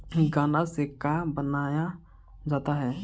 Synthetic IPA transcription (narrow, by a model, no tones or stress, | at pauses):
ɡaːnasekabənaːja | d͡ʒaːt̪aɦɛː